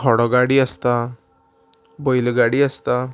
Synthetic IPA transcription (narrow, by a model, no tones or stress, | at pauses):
kʰɔɽɔɡaɽiəst̪a | bɔjlɡaɽiːəst̪a